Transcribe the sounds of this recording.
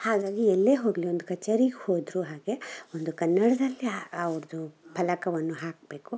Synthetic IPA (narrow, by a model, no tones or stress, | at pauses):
haːɡaːɡiɛlːeːɦoːɡlio̞nd̪ukɐt͡ʃːɐɾiɡhoːd̪ɾuɦaːɡe̞ond̪ukɐnːɐɽɐd̪ɐlːiaɐʋɾd̪upʰɐlɐkɐʋɐnːuɦaːk̚be̞ːku